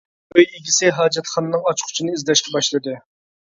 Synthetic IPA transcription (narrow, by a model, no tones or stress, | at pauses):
øjiɡʲisɪɦɑːd͡ʒɛt̪χɑnɨnɨŋɑt͡ʃqʰʊ̥t͡ʃʰinɨizlɛʃkʲɛbɑʃlˠɨd̪ɨ